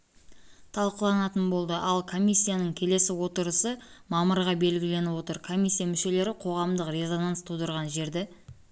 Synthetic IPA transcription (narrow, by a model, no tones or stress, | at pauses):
t̪ʰɑlˠqəlˠɑnɑt̪ənbo̞lˠd̪əʔɑlˠkʰo̞mʲijsʲːijanəɴkʲʰe̞le̞sɪwo̞t̪əɾəsəmɑməɾʁɑbe̞lɡʲɪle̞nɪwo̞t̪əɾkʰo̞mʲijsʲːijamʏʃe̞le̞ɾɪqʰo̞ʁɑmd̪əqre̞zo̞nanst̪ʰud̪əɾʁɑnʒe̞ɾd̪e